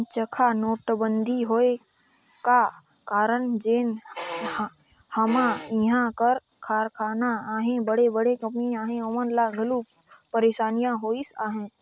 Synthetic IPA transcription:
t͡ʃəkʰanoːʈbənd̪ʱiɦoe | ka | kaːɾəɳd͡ʒeːn | həmaiɦãkəɾ | kʰaːɾkʰaːnaːɦẽbəɽebəɽekəpniaːɦẽomənlaɡʱəlu | pəɾeːʃaːnijãɦoːisaːɦẽ

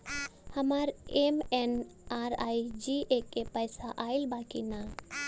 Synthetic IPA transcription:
həmaɾemenaːɾaːid͡ʒiekepəjsaʔaːɪlbaːkina

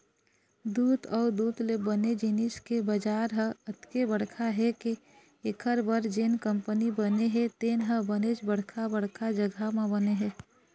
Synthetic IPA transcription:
d̪uːt̪ɔːɾd̪uːt̪lebəned͡ʒiniskebəd͡ʒaːɾɦəət̪kebəɽ̤kʰaɦɛke | ekʰəɾbəɾd͡ʒenkəmpənibəneɦɛt̪eːnɦəbənet͡ʃbəɽ̤kʰabəɽkʰad͡ʒəɡʱamẽbəneɦɛː

